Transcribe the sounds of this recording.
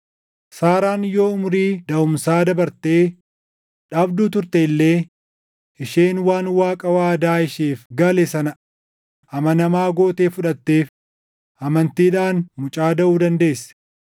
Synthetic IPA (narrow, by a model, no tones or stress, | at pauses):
saːɾaːnɪjo̞ːʊmʊɾiːd̪ɐʊmsaːd̪ɐbɐɾt̪e̞ː | ᶑaːbd̪uːt̪ʊɾt̪eɪlːe̞ː | ʔɪʃe̞ːnwaːnwaːkʼɐwaːd̪aːɪʃeːfɡɐlɛsɐnɐ | ʔɐmɐnɐmaːɡoːt̪eːfʊᶑɐt̪ːe̞ːf | ʔɐmɐnt̪iːᶑaːnmʊt͡ʃʼaːd̪ɐʔuːd̪ɐnd̪e̞ːsːɛ̥